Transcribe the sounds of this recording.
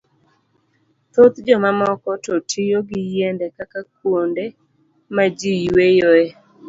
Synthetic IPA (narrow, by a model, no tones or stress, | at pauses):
t̪ot̪d͡ʒɔmamɔkɔtotʰijoɡɪjendɛkakak̚wonde | mad͡ʒiwejoe